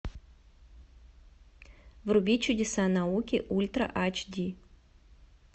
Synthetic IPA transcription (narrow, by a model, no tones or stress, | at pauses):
vrubʲit͡ʃʰudʲɪsanaukʲiʔulʲt̪rɐ̰ʔat͡ʃd̪ʲi